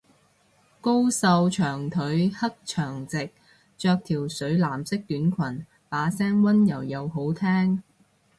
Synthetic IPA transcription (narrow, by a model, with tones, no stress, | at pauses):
ko˥wsɐ˧wt͡ʃʰœː˨˩ŋt̪ʰɵ˨˥ɥhɐ˥k̚t͡ʃʰœː˨˩ŋt͡sɪ˨k̚ | t͡ʃœː˧k̚t̪ʰiː˨˩wsɵ˨˥ɥlaː˨˩msɪ˥k̚t̪yː˨˥nkʷʰɐ˨˩n | paː˨˧˥sɛː˥ŋwɐ˥njɐ˨˩wjɐ˨˧wɦo˨˥wt̪ʰɛː˥ŋ